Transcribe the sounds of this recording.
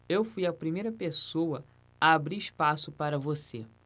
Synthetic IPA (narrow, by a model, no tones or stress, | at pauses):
ewfujɐpɾimejɾɐpesowɐ | aːbɾiiʃpasʊpaɾɐvose